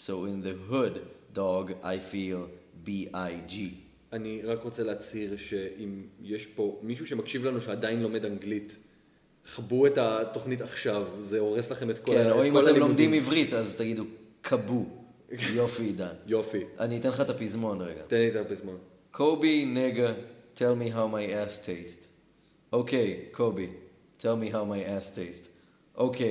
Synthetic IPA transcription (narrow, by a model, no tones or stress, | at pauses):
sowinðeɦuddoɡa̰jfilbiajd͡ʒi | aniʁakʁot͡seleat͡shiʁʃe̞ʔimjeʃpo̞miʃuʃemakʃivlanuʃeadainlo̞me̞daŋɡlit | χbuetato̞χnitaχʃavzeoʁeslaχe̞metkkonoimalemlomd̪imivʁitazt̪aɡidukʰabu | jofidanjofiʔa̰niːt̪enχat̪apizmo̞nʁḛɡa̰t̪enit̪eapizmon | kʰobineɡatʰelmiɦawmajæstʰest | ʔokejkʰobi | tʰelmiɦawmajastest | ʔokʰej